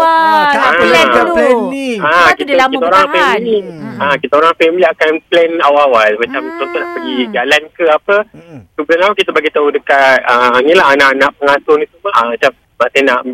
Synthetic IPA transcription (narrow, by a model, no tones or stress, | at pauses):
a | akikit̪aoɾaŋfɛmiliakit̪aoɾaŋafɛmiliakanplɛnawawalmat͡ʃamt̪osonaʔpəɡid͡ʒalankəapəsubəlanlaukit̪abaɡit̪audəkat̪̚ənilaɦanaʔanaʔpəŋasʊŋit̪umaəmat͡ʃam | masenaʔ